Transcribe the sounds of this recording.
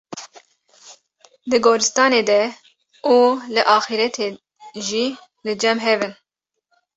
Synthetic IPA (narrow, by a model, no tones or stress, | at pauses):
d̪ɨɡoːɾɨst̪ɑːneːd̪ɛ | ulɨʔɑːxiɾɛt̪ʰe | ʒiː | lɨd͡ʒɛmɦɛvɨn